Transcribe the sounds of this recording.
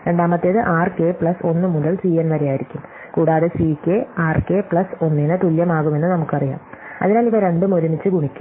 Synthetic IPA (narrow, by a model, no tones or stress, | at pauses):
ɾe̞ɳɖaːmɐt̪ːeːðɨʔaːrke̞pɭɐso̞nːɨmuðɐlsiːenʋɐɾejaːjiɾikʲːum | kuːɽaːðɨsiːkːeaːrkepɭɐso̞nːinɨt̪uljɐmaːɣume̞nːɨnɐmukːɨɐrija̰ːmɐ̰ðinaːliʋɐɾe̞ɳɖumo̞ɾumit͡ɕːɨɡuɳikʲːu̥